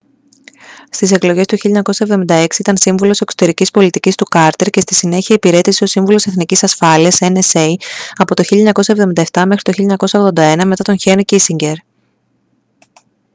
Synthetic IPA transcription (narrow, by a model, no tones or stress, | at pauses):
st̪ise̞klo̞ʝe̞st̪uçilʎɐeɲɐko̞sɐe̞vðo̞mind̪ɐe̞ksiit̪ɐnsiɱvulo̞se̞kso̥t̪e̞ɾicispo̞lit̪icist̪ukɐɾt̪e̞ɾce̞st̪isine̞çiɐepiɾe̞t̪isio̞siɱvulo̞se̞θnicisɐsfɐliɐseneseiɐpo̞t̪o̞çilʎɐeɲɐkosɐevðoind̪ɐeft̪ɐme̞xɾi̥t̪o̞çiʎɐeɲɐko̞sɐoɣðo̞nd̪ɐe̞nɐme̞t̪ɐt̪o̞nçenocisiɲɟe̞ɾ